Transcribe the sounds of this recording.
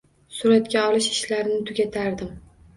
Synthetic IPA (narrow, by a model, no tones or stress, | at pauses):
sʊɾat̪kʲaɒlɪʃɪʃlaɾɪnɪt̪ʰʊɡʲat̪ʰaɾd̪ɪm